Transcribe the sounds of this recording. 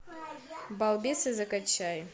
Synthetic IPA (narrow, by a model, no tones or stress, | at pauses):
balˠdesɐzakʼat͡ʃʰaj